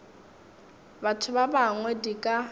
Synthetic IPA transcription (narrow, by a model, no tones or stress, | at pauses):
batʰʊbabaŋwɛdikʼa